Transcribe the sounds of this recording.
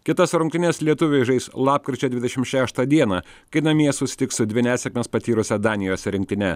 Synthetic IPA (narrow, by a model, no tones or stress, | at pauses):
kʲɪt̪ɐsɾʊŋkt̪ʲɪnʲɛslʲiɛt̪ʊʋʲɛʒɐɪslˠɑːp̚kɾʲɪt͡ʃʲɛd̪ʲʋʲɪd̪ʲɛʃʲɪmʃʲæːʃt̪ɐd̪ʲiɛnɑ | kɐɪnɐmʲiɛsʊsʲɪ̥t̪ʲɪksʊd̪ʲʋʲɪnʲæːsʲɛkmʲɛspɐt̪ʲiːɾʊsʲɛd̪ɑːnʲɪjoːsʲɛɾʲɪŋk̚t̪ʲɪnʲɛ